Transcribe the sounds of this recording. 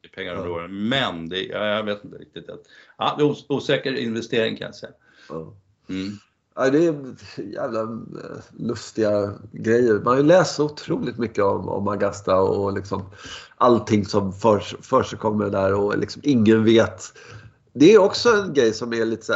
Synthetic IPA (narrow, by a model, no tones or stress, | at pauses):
pʰɛŋːaɾɾoːəmɛnd̪ɛja̰jɑveːt̪ɪnt̪əɾɪ̰k̚t̪ɪt̪at̪a̰d̪ɛuːuːsɛːkəɾɪ̰nvɛst̪eːɾɪ̰ŋkʰã̰nja̰sɛ̰ja | ɑː | ʔæɪd̪ɛːjæ̰ːvla | lɵst̪ɪɡaɡɾɛjːəɾmanhajʏlɛːst̪sɔʊt̪ʰɾuːlɪt̪mʏkːəɔmɔ̰mːaɡast̪aɔlɪksɔmʔalt̪ʰɪŋːsɔmfœʂfœʂəkʰɔmːəɾd̪æɾɔlʔɪ̰ksɔmɪŋːənveːt̪ | d̪ɛːjɔksɔɛnɡɾɛjsɔmæɭiːt̪ːə̥sæ